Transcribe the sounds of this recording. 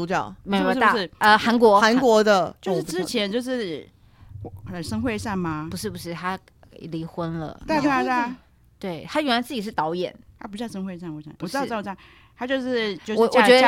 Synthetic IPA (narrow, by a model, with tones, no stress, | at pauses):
u˧˥t͡ɕjɑ˨˩ʊme˧˥˩k̩̪˧˥a˥˩ʂ̩˥˩ə˧xa˧˥nkwɔ˧˥a˧˦˥nkwɔ˧˥d̪ə˧jo˥˧ʂ̩˥˧ʈ͡ʂɻ̩˥t͡ɕʰjɛ˧˥nt͡ɕjo˥˧ʊʂɻ̩˥˩˨ | ə˨˩ʂɤ˥ŋxwe˥˧ɪʂa˥˩nma˩pu˧˥ʂɻ̩˥˩pu˩ʂɻ̩˥˩t̪ʰa˥ | li˧˥xwə˥nlə̰˨˥˧t̪a˥˧˥ | t̪we˥˩ɪt̪ʰa˥ɥɛ˧˥lt͡sɹ̩˥˩t͡ɕi˨˩ʂ̬ɻ̩˥˩t̪ɑ˧˥ʊjɛ̰˨˩˦nt̪ʰa˥pu˧˩˥jʂɤ˥ŋxwe˥˧ɪsa˥˩nwɔ˧˩ja̰˥˧˩ɑ˥˧˥a˥˩ | t̪ʰa˥t͡ɕjʊʂɻ̩˥˩jo˥˧wɔ˨˩wɔ˨˩˧t͡ɕɥɛ˧˥də˧